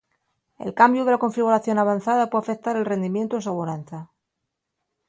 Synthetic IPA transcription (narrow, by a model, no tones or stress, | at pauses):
e̞̰lkambjuðe̞lako̞ɱfiɣ̞uɾaθjo̞naβ̞an̟θaðapweafek̚t̪aɾelre̞nd̪imje̞nt̪oesoβuɾanθa